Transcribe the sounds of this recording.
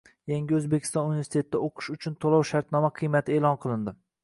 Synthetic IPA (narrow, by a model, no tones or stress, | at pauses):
jaŋɡʲɪɵzbekʲʰɪ̥st̪ɒnunivʲeɾst̪e̞t̪ɪd̪aoqʰɨ̥ʃʊt͡ʃʰʊnt̪ʰolˠɒwʃaɾt̪nɒmaqʰɨjmat̪ʰɪeːlɒnqʰɨlˠɪnd̪ɪ